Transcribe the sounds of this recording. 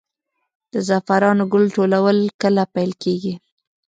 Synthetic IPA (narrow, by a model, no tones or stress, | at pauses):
d̪̥əzafaɾɑnoɡʊlʈolawəlkəlapajlkeɡi